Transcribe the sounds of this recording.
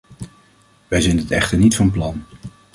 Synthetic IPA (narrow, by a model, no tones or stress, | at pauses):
ʋɛjzɪnətɛχtəɹnitfɑnplɑn